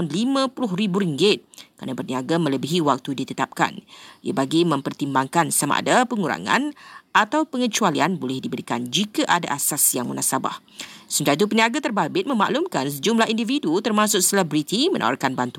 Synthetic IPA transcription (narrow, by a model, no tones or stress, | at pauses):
anlimãpulʊɦɾibuɾiŋɡɪt̪̚kəɾa̰nabərniaɡamə̃ləbiɦiwak̚t̪udit̪ət̪ap̚ka̰niabaɡimə̃mpərt̪imbaŋkansama̰ʔa̰dapəŋuɾa̰ŋã̰nʔat̪awpəŋət͡ʃualianbolɛhdibəɾikand͡ʒikaʔada̰ʔasasjaŋmənahsaba̰h | səmt̪ait̪̬up̬əniaɡat̪ərbabɪt̪̚mə̃ma̰ʔlumkans̬əd͡ʒumlahindividut̪ərmãsʊk̚səlɛbɾit̪imə̃nʔa̰wa̰rkanbant̪u